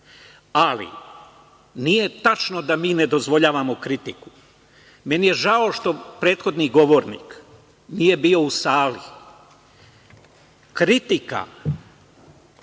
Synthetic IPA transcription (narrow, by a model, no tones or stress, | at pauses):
alḭ | nije̞t̪at͡ʃno̞d̪amiːne̞d̪o̞zʋo̞ʎaːʋamo̞kɾit̪iku̥ | me̞nije̞ʒao̞ʃt̪o̞pɾe̞ːt̪xo̞d̪niɡo̞ʋoɾnḭːk | nije̞biːo̞usaːli | kɾit̪ika̰